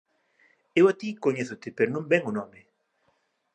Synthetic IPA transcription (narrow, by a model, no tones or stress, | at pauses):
ewat̪ikoɲeθʊt̪ɪpeɾonõmbɛŋʊnɔmɪ